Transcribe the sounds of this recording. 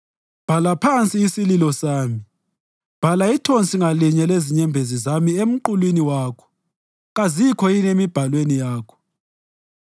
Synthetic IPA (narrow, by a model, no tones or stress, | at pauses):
b̥ʱalapʰant͡sʼiːsililɔsaːmi | b̥ʱalaitʰont͡sʼiŋaliɲɛleziɲɛmbʱezizamiem̩ǃulwiniwaːkʰɔ̥ | ɣazikʰɔinemib̥ʱalwenijaːkʰɔ̥